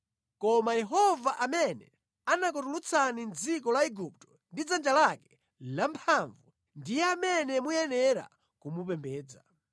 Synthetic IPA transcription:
kɔmajɛɦɔvaʔamɛnɛ̰ | anak̬ɔtulut͡sʰanind͡zikɔlaɛɡup̚tɔ̥ | ndid͡zand͡ʒalakɛ̥ | lampʰaɱvu | ndijɛamɛnɛmujɛnɛɾa̰ | kumupɛmbɛːd͡za̰

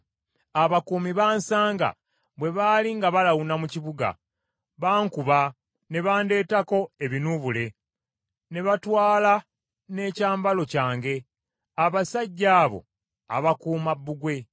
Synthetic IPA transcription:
aβakuːmiβaːnsaːŋɡa̰ | βwe̞βaːliŋɡaβalawunamuciβuɡa̰ | βaːŋkuβa | ne̞βaːnde̞ːtako̞e̞βinuβule̞ | ne̞βatwaːla | ne̞ːcaːmbalo̞caːŋɡe̞ | aβasaɟːaːβo̞̰ | a̰βakuːmabːuɡwe̞

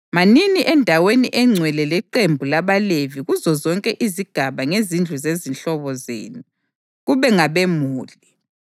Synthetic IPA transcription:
maniniʔɛndʱaweniʔɛŋ͡ǀʱwɛlɛlɛǃembʱulaβaleviɣuzɔzɔŋkʼɛʔiziɡ̥ʱaβaŋezind͡ɮʱuzezinɬɔβɔzḛːnu | ɣuβɛŋaβemuːli

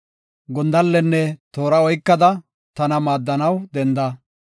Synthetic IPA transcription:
ɡɔnd̪ɐlːɛnːɛt̪o̞ːɾɐɔjkːɐd̪ɐ | t̪ɐnɐmaːd̪ːɐnɐwd̪ɛnd̪ɐ

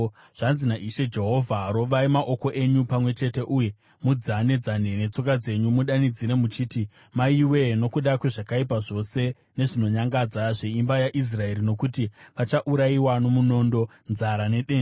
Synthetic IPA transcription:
ʐ̥anzinaʔiʃe̞d͡ʒe̞ɦo̞vʱaɾo̞ʋaimaʔo̞ko̞ʔe̞ɲupamwe̞t͡ʃe̞te̞ʔuje̞ | mud͡zane̞d͡zane̞ne̞t͡so̞kad͡ze̞ɲumuɗanid͡ziɾe̞mut͡ʃiːti | maiwe̞no̞kuɗakweʐakaipaʐo̞se̞ | ne̞ʐino̞ɲaŋɡad͡zaʐe̞imbajaʔis̬rae̞ɾino̞kutiʋat͡ʃaʔuɾaiwano̞muno̞ːndo̞ | nzaɾane̞ɗe̞ːn

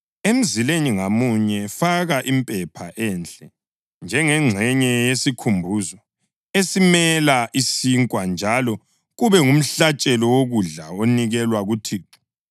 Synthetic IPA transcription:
em̩zileniŋamuɲɛfaɣaʔimpʼɛpʰaʔɛnt͡ɬʼɛ | nd͡ʒʱɛŋɛŋ͡ǁʱɛɲɛjesikʰumbʱuzɔ | esimɛlaʔisiŋkʼwand͡ʒʱalɔ | ɣuβɛŋum̩ɬat͡ʃʼɛlɔwoɣuɮaoniɣɛlwaɣutʰiːǁu̥

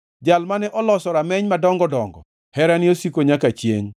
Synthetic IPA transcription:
d͡ʒalmanɛʔɔlɔsɔɾamɛɲmadɔŋɡɔdɔŋɡɔ̰ | hɛɾaniosikoɲakat͡ʃjḛŋ

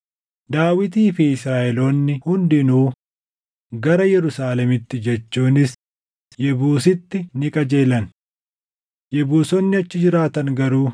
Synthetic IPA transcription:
d̪aːwɪt̪iːfiɪsɾaːʔɛloːnːɪhʊnd̪ɪnuː | ɡɐɾɐjɛɾʊsaːlɛmɪt̪ːɪd͡ʒɛt͡ʃːuːnɪs | jɛbuːsɪt̪ːɪnɪkʼɐd͡ʒe̞ːlɐn | jɛbuːsɔnːɪɐt͡ʃːɪd͡ʒɪɾaːt̪ɐŋɡɐɾuː

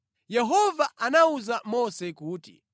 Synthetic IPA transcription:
jɛɦɔvaʔanauzamɔsɛkuːtḭ

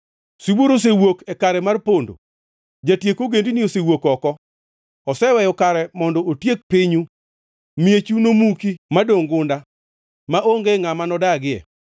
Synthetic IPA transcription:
siboɾos̬ewokɛkaɾɛmarpondo̰ | d͡ʒatjekoɡendiniosewokɔkɔ | ɔsɛwɛjɔkaɾɛmɔndɔotjek̚pɪɲu | miet͡ʃunomukimadoŋɡʊnda | maʔoŋɡeŋamanɔdaɡɪɛ̰

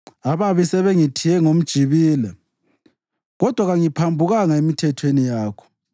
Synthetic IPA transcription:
aβaβisɛβeŋitʰijɛŋom̩d̥ʒ̥ʱiβiːlɛ | ɣɔd̥ʱwaɣaŋipʰambʱuɣaŋaemitʰɛtʰwenijaːkʰɔ̥

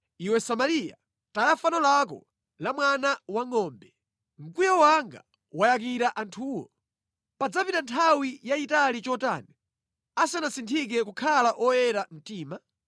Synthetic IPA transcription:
iwɛsamalija̰ | tajafanɔlak̬ɔ̰ | lamwanawaŋɔːmbɛ | ŋ̩kujɔwaŋɡa̰ | wajak̬iɾaʔantʰuːwɔ̰ | pad͡zapitantʰawijaitalit͡ʃɔta̰ːni | asanasintʰik̬ɛkukʰalaʔɔjɛɾam̩tiːma

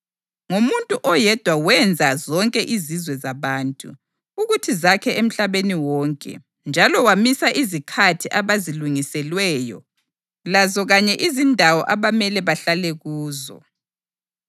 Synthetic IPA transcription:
ŋomuntʼuʔɔjɛd̥ʱwawɛnd͡zʱazɔŋkʼɛʔizizwɛzaβaːntʼṵ | uɣutʰizakʰɛem̩ɬaβeniwɔːŋkʼɛ̰ | nd͡ʒʱalɔwamisaʔizikʰatʰiʔaβaziluŋisɛlwɛːjɔ̰ | lazɔɣaɲɛʔizindʱawɔʔaβamɛlɛβaɬalɛɣuːzɔ̰

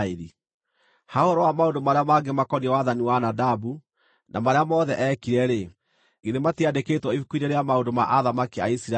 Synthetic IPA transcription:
eɾi | haohɔɾɔwamaondomaɾeamaɡemakɔniɛwaðaniwanadabu | nʔamaɾeamɔːðɛʔɛkiɾɛɾe | ɡeðematiadekeːtwɔifukuineɾeamaondoma̰ʔaðamakea̰isiɾa

